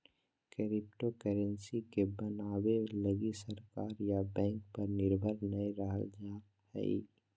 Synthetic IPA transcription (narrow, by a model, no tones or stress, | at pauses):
kəɾɪpʈokəɾə̃nsikebənaːweləɡisəɾkaːɾjabɛ̃ːŋkpɐɾnɪɾbʱəɾnɐiɾəɦə̰ld͡ʒa | hɛ̰ḭ